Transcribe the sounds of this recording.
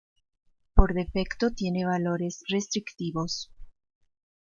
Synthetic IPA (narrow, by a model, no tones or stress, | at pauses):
po̞ɾðe̞fekt̪o̞t̪je̞neβalo̞ɾesre̞st̪ɾikt̪iβo̞s